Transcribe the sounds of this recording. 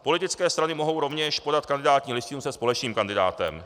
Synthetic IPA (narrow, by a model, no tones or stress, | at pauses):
po̞lɪt̪ɪt͡skɛːst̪ɾanɪmo̞ɦo̞wɾo̞vɲɛʃpo̞dat̪̚kand̪ɪdaːt̪ɲiːlɪsc̪ɪnusɛspo̞lɛt͡ʃniːmkandɪda̰ːt̪ɛ̰m